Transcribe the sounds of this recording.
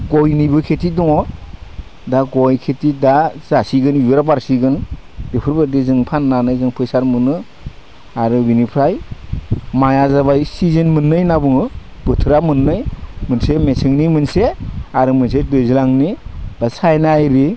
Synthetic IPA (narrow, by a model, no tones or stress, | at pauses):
ɡɔjnibɯkʰetʰidɔŋɔ | daɡɔjkʰetʰidazasiɡɯnibeɾabaɾsiɡɯn | b̥epʰɯɾbadizɯŋpʰanːanɯjzɯŋpʰɯjsaɾmɯnɯ | aɾɯbinipʰɾaj | majazaβajsizɯnmɯnːɯjnabɯŋɯ | bɯtʰɯɾamɯnːɯjmɯnsemesɯŋnimɯnseaɾɯmɯns̬edɯjzɯlaŋnib̥asajnaajɾi